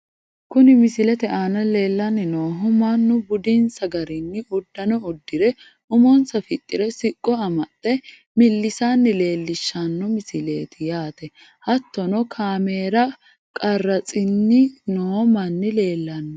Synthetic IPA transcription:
kʊnɪmɪsɪlɛt̪ɛʔaːnɐle̞ːlːɐnːɪnoːɦʊmanːʊbʊd̪insɐɡɐɾɪnːɪʔʊd̪ːɐnɔʊd̪ːɪɾɛ | ʔʊmɔnsɐfɪt̪ʼːɪɾɛsɪkʼːɔɐmɐt̪ʼːɛ | mɪlːɪsaːnːɪle̞ːlːɪʃːanːɔmɪsɪle̞̰ːt̪ɪjaːt̪ɛ | hɐt̪ːɔnɔkʰaːme̞ːɾɐ | kʼɐrːɐt͡sʼɪnːɪnoːmɐnːɪle̞ːlːɐnː

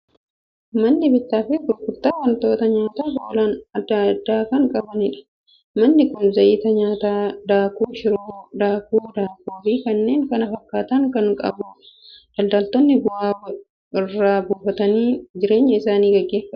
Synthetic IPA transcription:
mɐnːɪbɪt̪ːaːfɪɡʊlkʊt̪ːaːwɐnt̪o̞ːt̪ɐɲaːt̪aːboːlɐnɐd̪ːɐd̪ːaːkɐŋkʼɐbɐnɪᶑɐ̥ | mɐnːɪkʊnzɐʔiːt̪ɐɲaːt̪aːd̪aːkuːʃɪɾoːd̪aːkuːd̪aːkuːfiːkɐnːe̞ːŋkɐnɐfɐkːaːt̪ɐŋkɐŋkʼɐ̰bʊ | d̪̥ɐld̪ɐlt̪ɔnːɪbʊʔaː | ɪrːaːbuːfɐt̪ɐniːd͡ʒɪɾe̞ːɲːɐɪsaːniːɡɐɡːe̞ːfːɐ

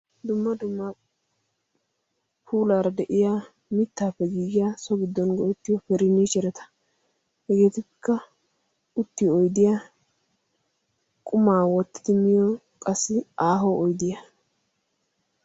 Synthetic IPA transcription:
d̪ʊmːɐd̪ʊmːa | pʰuːlaːɾɐd̪ɛʔɪja | mɪt̪ːaːpːɛɡiːɡɪjasɔɡɪd̪ːɔnɡɔɛt̪ːɪjɔfɛɾɪniːʃɛɾɛt̪ɐ̥ | hɛɡe̞ːt̪ɪkːɐ | ʊt̪ːɪɔjd̪ɪja | kʼʊmaːwɔt̪ːɪ̥d̪ɪmɪjɔ | kʼɐsːɪʔaːɦɔʔɔjd̪ɪjɐ

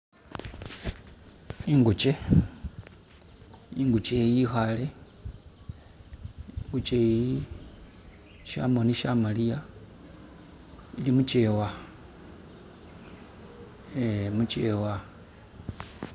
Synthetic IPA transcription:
iŋɡut͡ʃe | iŋɡut͡ʃejixale | ŋɡut͡ʃeji | ʃa̰moniʃamalija | ilimut͡ʃewa | emut͡ʃewa

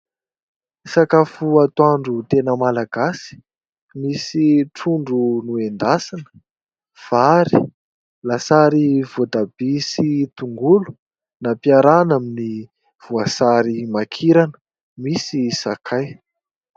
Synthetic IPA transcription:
sakafuat̪waɳɖ͡ʐut̪enəmalaɡ̥asi̥ | misiʈ͡ʂuɳɖ͡ʐunuend̪asanə̥ | v̥aɾi | lasaɾivod̪abisit̪uŋɡulu̥ | napiaɾanamini | v̥uasaɾimakʰiɾanə̥ | misisakʰaj

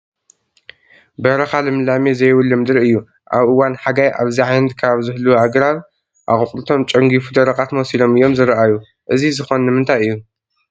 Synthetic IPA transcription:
bɐɾɐxalɨmɨlamezɐjwɨlːɨmd̪ɨɾɨjːu | ʔaβʔɨwanħaɡajʔa̰βziʕajnɐt̪̚kʰaβzɨhluaɡɾaβ | ʔa̰ɣʼɨkʼlɨt̪ʰo̞mt͡ʃʼɐŋɡifud̪ɐɾɐkʼat̪mosilo̞mɨjːo̞mzɨɾʔaju | ʔɨzizɨxonnɨmɨnt̪ʰajɨjːu

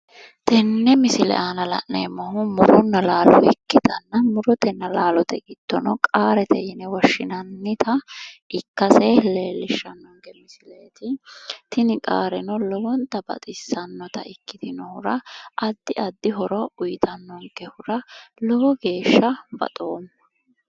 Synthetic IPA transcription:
t̪ʰɛnːɛmɪsɪlɛ̰ʔaːnɐlɐ̰ʔneːmːɔɦʊmʊɾɔnːɐlaːlɔ̰ʔɪkːɪd̪ɐnːɐmʊɾɔt̪ɛnːɐlaːlɔt̪ɛɡɪt̪ːɔnɔkʼaːɾɛt̪ɛjɪnɛwɔʃːɪnɐnːɪt̪ʰɐɪkːɐsɛleːlːɪʃːɐnːɔŋɡɛmɪsɪlɛt̪ɪt̪ɪnɪkʼa̰ːɾɛnɔlɔwɔnt̪ːɐbɐ̰t̪ʼɪsːɐnːɔt̪ɐ̰ɪkːɪt̪ɪnɔhʊɾɐʔɐd̪ːɪɐd̪ːɪɦɔɾɔʊjt̪ʰɐnːɔŋkɛhʊɾɐlɔwɔɡe̞ːʃːɐbɐ̰t̪ʼo̞ːmːɐ

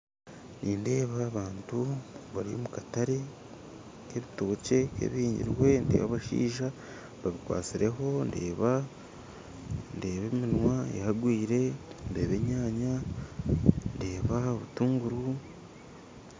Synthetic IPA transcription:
nʔinde̞ːβaːβaːntuβaɾio̰mukataɾe̞ | ke̞βitoːce̞kḛβiiːɲɟḭɾwe̞nde̞̰ːβaβaʃḭːʒa | βaβikwa̰ːt͡siɾe̞ɦo̞nde̞̰ːβa | nde̞ːβe̞minwajahaɡwiːɾe̞nde̞ːβe̞ɲaːɲa | nde̞ːβaoβutuːŋɡuɾu

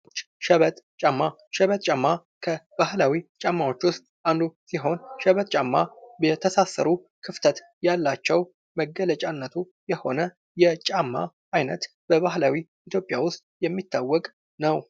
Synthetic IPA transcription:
t͡ʃː | ʃəβət̪ʼt͡ʃʼamːa | ʃɛβət̪ʼt͡ʃʼamːa | kʰəbahlawit͡ʃʼamːawo̞t͡ʃːwʊst̪ʼʔand̪usiɦo̞nʃəβət̪ʼt͡ʃʼamːabət̪ʰəsasːə̰ɾu | kʰɨft̪ʰət̪ | jalːat͡ʃːɛw | məɡələt͡ʃʼanːət̪ʰu | jɛho̞nə | jɛt͡ʃʼamːa̰ | ajnə̰t̪ | b̥əβahlawi | it̪ʰjo̞pʼjawʊst̪ʼjɛmːit̪ʰːawːɔkʼ | nəw

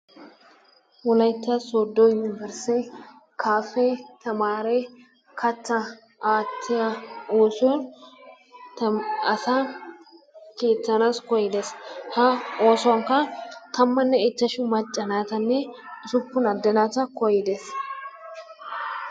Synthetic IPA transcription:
wɔlɐjt̪ːasod̪ːojʊnɪvɛɾsɛ | kʰaːfɛt̪ɐmaːɾe | kʰɐt͡sːɐ | ʔaːt̪ʰːɪjɐoːsɔn | ɐsa | keːt͡s̪ːɐnaːskɔjɪd̪eshɐoːsɔwɐŋkɐt̪ɐmːɐnːɛɛt͡ʃːɐʃʊmɐt͡ʃʼːɐnaːt̪ɐnːɛɪsʊpːʊnɐd̪ːɐnaːt̪ɐkɔjɪd̪es

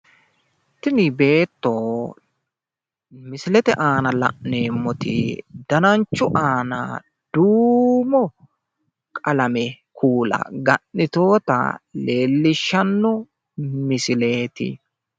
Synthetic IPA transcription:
t̪ːɪnɪbe̞ːt̪ːoː | mɪsɪlɛt̪ɛʔaːnɐlɐ̰ʔneːmːɔt̪ɪ̰d̪̥ɐnɐnt͡ʃːʊʔaːna̰ | d̪̥uːmɔ | kʼɐlɐmɛkʰuːlɐ̰ɡɐʔːɪt̪o̞ːt̪ɐ̰le̞ːlːɪʃːɐnːɔ | mɪsɪle̞ːt̪ɪ̰

